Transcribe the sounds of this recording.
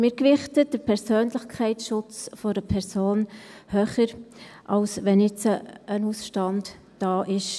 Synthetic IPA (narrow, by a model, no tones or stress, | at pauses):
mɪːɾkʋɪχtəd̥əɾpʰɛɾsøːnlɪχkʰɛɪtsʃʊt͡sfɔɾəpʰɛɾsoːnhøːχəɾʔɑlsʋɛnɪt͡səːnusʃtɑnd | d̥ɑːʔɪʃ